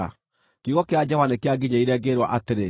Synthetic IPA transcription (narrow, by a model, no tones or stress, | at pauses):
a | kiɣɔkead͡ʒɔwanekeaɡiɲaiɾɛːɡeɾwa̰ʔateɾe